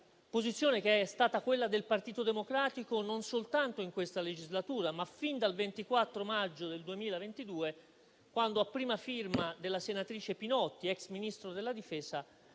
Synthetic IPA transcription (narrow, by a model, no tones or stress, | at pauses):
pozit̪sːjoːnek̟eɛɛst̪aːt̪akwelːad̪elpart̪iːt̪od̪emokɾaːt̪ikononsolt̪ant̪oiŋkwest̪aled͡ʒizlat̪uːɾamafind̪alvent̪ikwat̪ːɾomad͡ʒːod̪eld̪uemiːlavent̪id̪uːe | kwand̪oapːɾiːmafirmad̪elːasenat̪ɾiːt͡ʃepinɔt̪ːiɛksminist̪ɾod̪elːad̪ifɛːsa